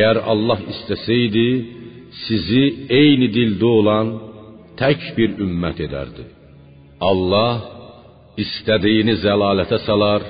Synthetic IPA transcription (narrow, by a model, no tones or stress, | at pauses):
æjæɾɑ̰lˠːɑɦist̪æsæjd̪i | sizie̞jnid̪ild̪uolˠɑnt̪ʰæcbiɾymːæt̪ʰe̞d̪æ̰ɾd̪i | ɑlˠːɑh | ist̪æd̪ijinizælɑːlæt̪ʰæsɑlˠɑɾ